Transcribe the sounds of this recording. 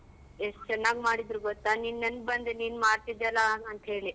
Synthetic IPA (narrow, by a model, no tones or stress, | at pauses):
est͡ʃɛnːaːɡmaːɽid̪ɾuɡɔt̪ːaninːɐnbɐnd̪eniːnmaːɾt̪id̪ɛlaɐnt̪ɦeːɭi